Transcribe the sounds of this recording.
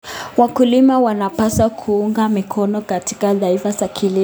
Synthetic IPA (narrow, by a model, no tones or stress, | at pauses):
wakulimawanapasakʰuuŋɡamikʰɔnɔkati̥kaðaifasakʰili